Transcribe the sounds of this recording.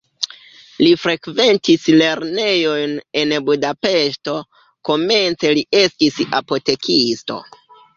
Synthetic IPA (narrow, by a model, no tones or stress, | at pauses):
lifɾe̞kve̞ntisle̞ɾne̞jo̞jne̞nbudape̞ʃto̞ | ko̞me̞nt͡se̞lie̞stisa̰po̞te̞kʰisto̞̰